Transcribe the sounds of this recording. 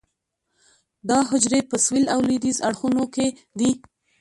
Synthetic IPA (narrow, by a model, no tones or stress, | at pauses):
d̪ɑɦʊd͡ʒɾepəswilawlid̪izaɽxunoke | d̪i